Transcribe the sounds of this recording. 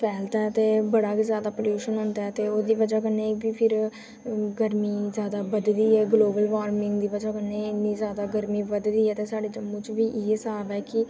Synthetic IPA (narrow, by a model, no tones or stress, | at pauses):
pʰɛːlt̪ɛːt̪eːbəɽaːkizjaːd̪aːpoljuːʃənɦʊ̃ːnd̪aːɛːt̪eːoːd̪iːʋəd͡ʒaːkənːeːbiːpʰɪɾ | ɡəɾmiːzjaːd̪aːbəd̪d̪iːɛːɡloːbəlʋaːɾmɪ̃ŋɡd̪iːʋəd͡ʒaːkənːeːɪnːiːzjaːd̪aːɡəɾmiːʋəd̪d̪iːɛːt̪eːsaːɖeːd͡ʒəmːũːt͡ʃʋiːʔiːesaːbɛːkɪ